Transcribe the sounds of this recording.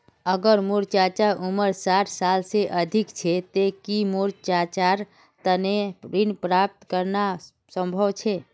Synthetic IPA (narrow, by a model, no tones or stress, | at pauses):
əɡəɾmoɾt͡ʃat͡ʃaɾuməɾsaʈʰsalseʔəd̪ʱikt͡ʃʰet̪ekimoɾt͡ʃat͡ʃaɾ | t̪əneɾinpɾap̚t̪kəɾna | sə̃mbʱəʋt͡ʃʰe